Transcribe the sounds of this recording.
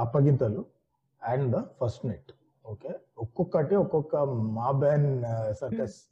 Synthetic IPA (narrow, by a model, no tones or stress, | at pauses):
ɐpːɐɡint̪ɐːlu | ɛɳɖd̪ɐpʰɐɾsʈneʈ | oːke | okːɔkːɐʈeɔkːɔkːɐmaːbɛːnsɐɾkɐs